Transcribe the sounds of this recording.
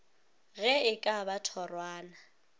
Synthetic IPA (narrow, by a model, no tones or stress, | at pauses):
ɣɛɪkʼabatʰɔrwaːna